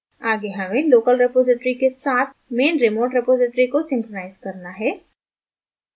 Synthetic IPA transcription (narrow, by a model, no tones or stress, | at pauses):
aːɡeɦɐmẽloːkəlɾɪpoːzɪʈɾikesaːt̪ʰmeːnɾɪmoːʈɾɪpoːzɪʈɾikosɪ̃ŋkɾonaːɪzkɐɾnaɦɛː